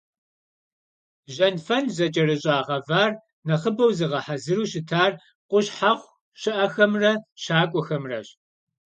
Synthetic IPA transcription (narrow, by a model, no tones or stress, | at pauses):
ʒɐnfɐnzɐt͡ʃʼɐrɨɕʼaːʁɐvaːr | nɐχəbɐwzɨʁɐħazɨɾuːɕɪtʰaːr | qʷʊɕħaʁʷ | ɕɪʔɐxɐmrɐʃaːkʷʼɔxɐmrɐɕ